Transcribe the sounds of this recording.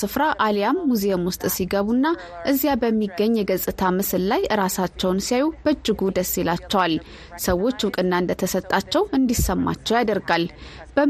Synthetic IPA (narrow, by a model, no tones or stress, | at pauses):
sɨfɾaʔalijamːuzeomwʊst̪ʼsiɡəβunːa | ʔɨzjabəmːiɡːəɲːjɛɡəzʼɨt̪ʰamɨsɨllajɨɾasat͡ʃːɛwnsijajub̥əd͡ʒːɨɡud̪əsːelat͡ʃːɛwal | səwo̞t͡ʃːwʊkʼɨnːaɨnd̪ət̪ʰəsət̪ʼːat͡ʃːɛwɨnd̪isəmːa̰t͡ʃːɛwjad̪əɾɡal | b̥ə